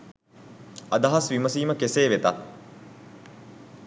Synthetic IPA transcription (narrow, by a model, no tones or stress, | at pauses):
ɐd̪ɐɦɐsʋiməsiːməkeseːʋet̪a̰t̪